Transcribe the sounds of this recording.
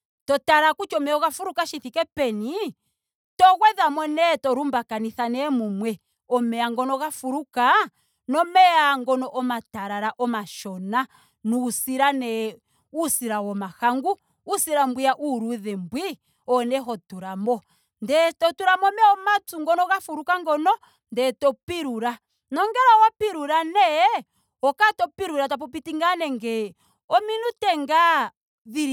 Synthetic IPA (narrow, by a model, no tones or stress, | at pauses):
tɔtaɾakut͡ʃɔmɛɔɣafuɾukaʃiθikɛpɛni | tɔɣwɛðamɔnɛtɔɾumbakaniθanɛmumwɛ | ɔmɛaŋɡɔnɔɣafuɾuka | nɔmɛaŋɡɔnɔʔɔmataɾaɾaʔɔmaʃɔna | nuːsiɾanɛ | usiɾawɔmahaŋɡuː | siɾambwijaʔuɾuðɛmbwi | ɔnɛɦɔtuɾamɔ | ndɛtɔtuɾamɔmɛɔmatuŋɡɔnɔɣafuɾukaŋɡɔnɔ | ndɛtɔpiɾuɾa | nɔŋɡɛɾawapiɾuɾanɛ | ɔkatɔpiɾuɾatap̬ɔp̬itiŋɡanɛŋɡɛ | ɔminutɛŋɡa | ðiɾ